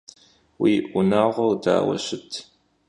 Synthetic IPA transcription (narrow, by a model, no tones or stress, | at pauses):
wiːʔʷʊnaːʁʷɔwda̰ːwɐ̰ɕɪtʰ